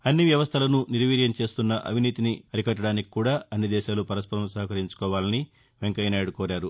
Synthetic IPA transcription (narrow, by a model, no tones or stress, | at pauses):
ɐnːiʋjɐʋɐst̪ʰɐlɐnuniɾʋiːɾjɐmt͡ʃe̞ːst̪unːɐʔɐ̰ʋ̤ʱiniːt̪iniɐɾikɐʈ̬ːɐɽaːniki̥kuːɽaːɐnːid̪ɛːʃaːlupɐɾɐspɐɾɐmsɐɦɐkɐɾiɲt͡ʃu̥kɔːʋaːlɐni | ʋe̞ŋkɐjnaːɐɽukɔːɾaːɾu